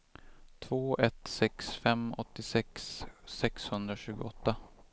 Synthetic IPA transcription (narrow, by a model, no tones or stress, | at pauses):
t̪ʰvoːʔɛt̪sɛksfɛmɔt̪ːɪsɛksːɛkshɵnd̪ɾaɕʉ̟ːɡʊɔt̪ːa